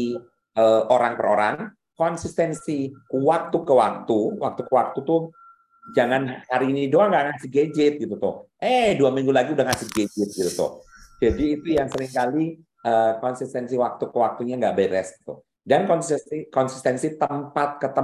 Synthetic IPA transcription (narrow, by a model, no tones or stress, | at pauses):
i | əʔoɾaŋpərɾoɾaŋ | kɔnsist̪ɛnsiwak̚t̪ukəwak̚t̪uwa̰k̚t̪ukəwak̚t̪ut̪ʊh | d͡ʒaŋanhaɾiːnidoaŋɡaʔŋasiɡed͡ʒɪt̪̚ɡit̪ut̪ʊ̰hʔɛhduamiŋɡulaɡiudaŋasiɡed͡ʒɪt̪̚ɡit̪ut̪ʊ̰hd͡ʒadiːt̪ujaŋsəɾɪŋkali | ʔəkɔnsist̪ɛnsiwak̚t̪ukəwak̚t̪uɲaŋɡaʔbeɾɛ̰sɡi̥t̪ṵh | dankɔnsikɔnsi̥st̪ɛnsit̪əmpat̪̚kət̪ə